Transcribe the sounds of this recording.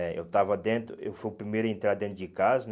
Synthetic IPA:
ɛḛwt̪avɐd̪ẽnt̪ɾʊḛwfojʊpɾimejɾʊẽnt̪ɾaɾd̪ẽnt̪ɾʊd͡ʒɪkazɐn

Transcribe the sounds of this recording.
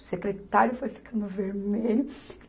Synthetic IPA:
sekɾet̪aɾjʊfojfi̥kʰɐ̃nd̪ʊveɾmelʊ

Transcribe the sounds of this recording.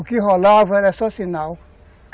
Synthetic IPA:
ʊkɪɦolavɐɛɾɛsɔsinaw

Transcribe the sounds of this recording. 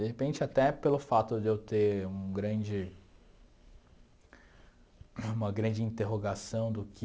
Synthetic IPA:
d̪eɦepẽnt͡ʃɪat̪ɛpelʊfat̪ʊd̪ewt̪eɾũɡɾɐ̃d͡ʒɪ | ũmɐɡɾɐ̃d͡ʒɪĩnt̪eɦoɡasɐ̃w̃d̪ʊkɪ

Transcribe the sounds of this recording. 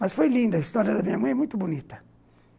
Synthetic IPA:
mɐsfojlĩnd̪ɐist̪ɔɾiɐd̪ɐmĩɲɐmɐ̃j̃ɛmũj̃t̪ʊbunit̪ɐ̥

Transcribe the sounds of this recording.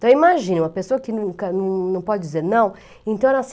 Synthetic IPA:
t̪ɐ̃w̃imaʒĩnɐ̃mɐpesoɐkɪnũkɐnɐ̃w̃nɐ̃w̃pɔd͡ʒɪd͡ʒizeɾnɐ̃w̃ | ẽt̪ɐ̃w̃ɛɾɐ̃as

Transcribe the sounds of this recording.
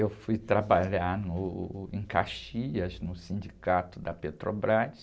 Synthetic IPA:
ewfujt̪ɾabaʎaɾnʊẽkaʃiʎɐznʊsĩd͡ʒikat̪ʊd̪ɐpet̪ɾobɾas

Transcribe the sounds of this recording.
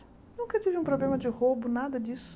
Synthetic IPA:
nũkɐt̪ivɪũpɾoblẽmɐd͡ʒɪhobʊnad̪ɐd͡ʒisʊ̥

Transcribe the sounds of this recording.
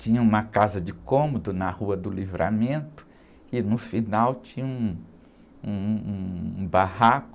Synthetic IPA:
t͡ʃĩɲɐũmɐkazɐd͡ʒɪkõmod̪ʊnɐhuɐd̪ʊlivɾa̰mẽnt̪ʊ̥ | ɪnʊfinawt͡ʃĩɲɐũ | ũ | bahakʊ

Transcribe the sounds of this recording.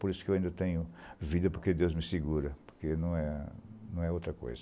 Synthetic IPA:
poɾisʊ̥kewaĩnd̪ɐt̪ẽɲʊvid̪ɐpoɾked̪ewzmɪseɡuɾɐpo̥ɾkenɐ̃w̃ɛnɐ̃w̃ɛowt̪ɾɐko̰jzɐ

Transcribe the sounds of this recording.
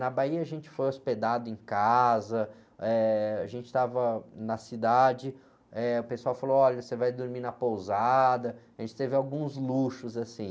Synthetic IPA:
nɐbaiɐaʒẽnt͡ʃɪ̥fojosped̪ad̪ʊẽkazɐ | ɛaʒẽnt͡ʃɪ̥t̪avɐnɐsid̪ad͡ʒɪ | ɛʊpesuawfaloɔʎɐsevajd̪oɾminɐpowzad̪ɐaʒẽnt͡ʃɪ̥t̪evɪawɡũzluʃʊzasĩ

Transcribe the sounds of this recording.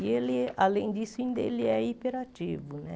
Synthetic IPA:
ɪelɪalẽj̃d͡ʒisʊĩnd̪ɐḛlɪɛipeɾat͡ʃivʊnɛ̰

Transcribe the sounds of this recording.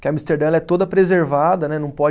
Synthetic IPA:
kɪɐmist̪eɾd̪ɐ̃lɛt̪od̪ɐpɾezeɾvad̪ɐnɛnɐ̃w̃pɔd͡ʒ

